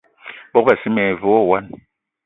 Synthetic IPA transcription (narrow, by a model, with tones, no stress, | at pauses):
bɔ˦k̚ba˨si˦mɛ˨vo˦ɔ˦˨wa˦˨n